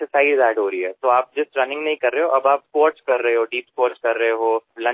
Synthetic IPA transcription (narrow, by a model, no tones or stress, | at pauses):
sɪsaːɪzɛːɖɦoːɾɐiɦɛːt̪oːaːp̚d͡ʒɪsɾɐnɪ̃ŋɡnɐɦĩkɐɾːɐɦeɦoʔɐbaːpskoːɾʈt͡ʃkɐɾːɐɦeɦoːɖiːpspoːɾt͡ʃkɐɾːɐɦeɦoːlɐ̃